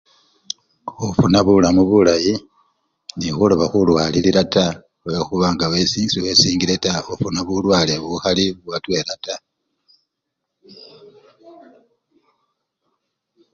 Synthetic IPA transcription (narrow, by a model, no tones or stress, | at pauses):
ofunaβulamuβulaji | nixulo̞βaxulwaːliliɾata | wexuβaŋɡawe̞siːsiwe̞siːŋɡiɾe̞taofunaβulwaːleβuxaliβuwatwe̞ɾata